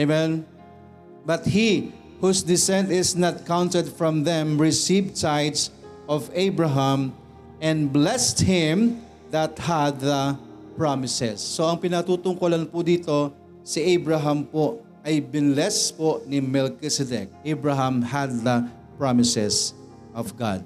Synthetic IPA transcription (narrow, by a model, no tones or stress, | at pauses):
emɛ̃n | bɐt̪hi | husd̪ɪsɛ̃nt̪ɪsnat̪̚kãwnt̪ɛd̪fɹɔ̃mðɛ̃mɹɪsivd̪sajd̪sʔɔvejbɹaɦãm | ɛ̃nblɛst̪hɪ̃m | ðɐt̪had̪ðɐpɹamɪsɛsːoɐŋpɪnɐt̪uːt̪ʊŋkolanpʊd̪iːt̪o̞ | siʔejbɹaɦampo | ʔajbɪnlɛsponimɛlkɪsɛd̪ɛ̰k̚ʔejbɹaɦãmhad̪̚ðɐ | pɹamɪsɛs | ʔɔvɡa̰d̪̚